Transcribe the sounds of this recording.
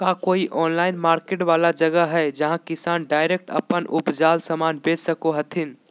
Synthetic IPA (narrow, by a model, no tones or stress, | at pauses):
kakoiʔʔɔːnlaɪnmaːɾkeʈʋalad͡ʒəɡəɦɛd͡ʒəɦãkisaːnɖaɪɾek̚ʈə̰pənʔupd͡ʒalsəmanbed͡ʒsəkoɦət̪ʰin